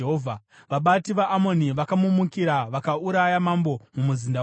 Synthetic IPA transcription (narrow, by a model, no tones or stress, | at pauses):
ɦovʱa | ʋaɓatiʋaʔːmo̞niʋakamumukiɾaʋakauɾajamambo̞mumuzinda